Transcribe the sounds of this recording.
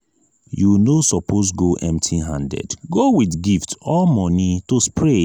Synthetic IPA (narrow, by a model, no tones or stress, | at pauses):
junosɔpʰosɡoʔɛ̃mtʰiɦãndɛ̰dɡowidɡiftɔlmɔnitospʰɹe